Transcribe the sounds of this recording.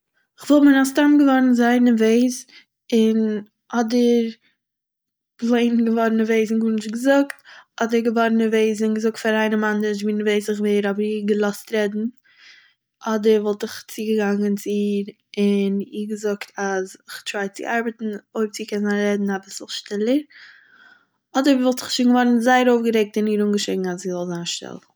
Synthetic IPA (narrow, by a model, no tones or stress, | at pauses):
ɪχvɔlˠmɪnastamɡəvɔɾn̩zaɪnəveɪz | ɪn | ʔɔdəɾ | blˠeɪnɡəvɔɾnəveɪznɡuːɾnɪʃɡəzʊktɔdəɾɡəvɔɾnəveɪzɪnɡəzʊk̚tfaɾaɪnəmandəʃ̬viːnəveɪsɪχveɪɾɔbəɾiːɡəlˠɔstɾɛdn̩ | ɔdəɾvɔlˠtɪχt͡siːɡəɡaŋənt͡sɪiːɾ | ɪniːɡəzʊktʰazɪχtɾaɪt͡sɪ̰ʔaɾbətn̩oɪp̚t͡siːkʰɛnzaːnɾɛdn̩abɪsl̩ˠʃtɪlˠəɾ | ɔdəɾvivɔlˠtɪχʃɪŋɡəvɔɾn̩zaɪəɾoʊfɡəɾɛk̚tɪniːɾuŋɡəʃeɪɡŋ̩azzizɔlˠzaːnʃtɪ̰lˠ